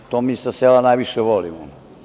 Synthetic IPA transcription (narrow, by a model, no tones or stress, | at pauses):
t̪oːmiːsaselanajʋiʃeʋolimo